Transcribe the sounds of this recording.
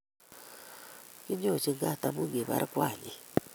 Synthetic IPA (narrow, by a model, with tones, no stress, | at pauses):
ki˦ɲo˦˨t͡ʃi˦˨ŋɡa˦˨ta˨mu˦ŋɡe˨βa̰˨ɾɪ˦kwa˨ɲi˨